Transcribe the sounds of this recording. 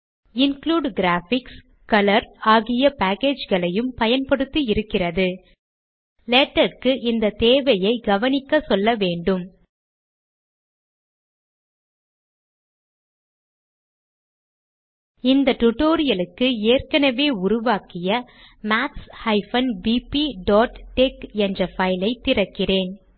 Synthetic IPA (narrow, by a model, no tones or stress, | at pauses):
ɪnkluːɖɡɾaːfɪks | kɐlɐɾaːɣɪjɐpaːkeːd͡ʒɣɐɭɐjɯmpɐjɐnpɐɽɯt̪ːɯɪɾɯkːɪrɐðɯ | leʈːɐɾkɯʔɪnd̪ɐt̪eːʋɐjɐɪɡɐʋɐnɪkːɐsɔlːɐʋeːɳɖɯm | ɪnd̪ɐʈʊʈoːɾɪjɐlɯkːɯeːrkɐnɐʋeːʊɾʊʋaːkɪjɐmaːʈshɐɪfɐnbiːpiɖoːʈʈekɛndrɐfɐjɪlɐɪt̪ːɪrɐkːɪreːn